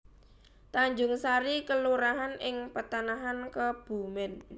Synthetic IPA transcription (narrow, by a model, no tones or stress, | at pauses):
t̪aɲd͡ʒʊŋsaɾikəluɾaɦanʔɪŋpət̪anaɦankəb̥ṳmɪn